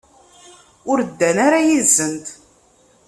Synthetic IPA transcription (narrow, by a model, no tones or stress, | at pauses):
ʊɾd̪ːænaɾajizːənt̪